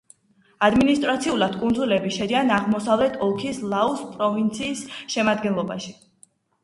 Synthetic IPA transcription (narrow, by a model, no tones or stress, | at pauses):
ad̪minist̪ʼɾat̪sʰiulˠad̪̥kʼund̪zulɛbiʃɛd̪ianaʁmɔsavlɛt̪ʰɔlˠkʰislˠauspʼɾɔvint̪sʰiːsʃɛmad̪ɡɛnlˠɔba̰ʃi